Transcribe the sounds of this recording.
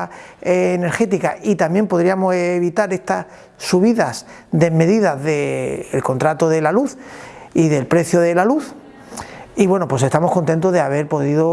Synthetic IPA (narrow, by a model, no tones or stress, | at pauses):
eːne̞ɾxe̞t̪ika̰ʔit̪amje̞mpo̞ðɾiamoseβit̪aɾe̞st̪as | suβiðas | d̪e̞me̞ðiðazðe̞̰ːlko̞nt̪ɾat̪oðe̞laluθiðe̞lpɾe̞θjoðe̞laluθ | iβwe̞nopwe̞se̞st̪amo̞hko̞nt̪e̞nt̪ozðeaβe̞ɾpo̞ðiðo